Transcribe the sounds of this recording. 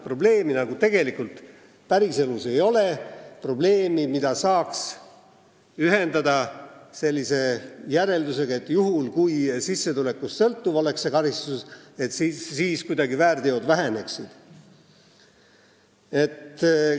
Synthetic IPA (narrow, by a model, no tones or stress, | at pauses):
pro̞ble̞ːminɑɡ̥ut̪e̞ɡ̥e̞likult̪ | pæɾise̞luse̞jo̞le̞pro̞ble̞ːmimid̪̥ɑsɑːks | yɦe̞nd̪ɑd̪ɑse̞lʲːise̞jæɾe̞ld̪use̞ɡ̥ɑe̞t̪ːjuɦulkujsisːe̞t̪ule̞kːust̪sɤlt̪ːuvo̞le̞ksːekɑɾist̪uset̪sːiːskujd̪ɑɡivæːrd̪eo̞d̪væɦe̞ne̞ksid̪̥ | e̞t̪